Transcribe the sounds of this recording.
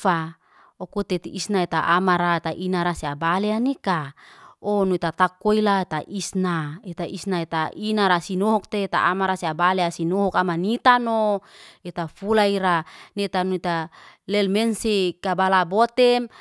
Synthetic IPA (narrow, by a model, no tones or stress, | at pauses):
fa | okut̪et̪iisnaet̪aʔamaɾaet̪aʔinaɾaseabaleanika | onuit̪at̪akːoilaet̪aʔisnaet̪aʔisnaet̪aʔinaɾasinoɦɔk̚t̪eːt̪a̰ʔamaɾaseabaleasinoɦɔkamanit̪anoet̪afulaiɾanet̪anuit̪alɛlmɛnsekabalabot̪ɛm